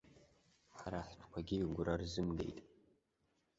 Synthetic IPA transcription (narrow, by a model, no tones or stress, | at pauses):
ħaɾaħtʰkʷʰaɡʲiɡʷʊɾarzɨmɡe̞̰jtʼ